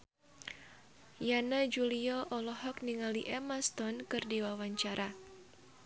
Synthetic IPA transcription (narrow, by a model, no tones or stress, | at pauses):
janad͡ʒuliɔʔɔlɔhɔk̚niŋaliʔɛmast̪ɔnkɨrdiwawaɲt͡ʃaɾʔa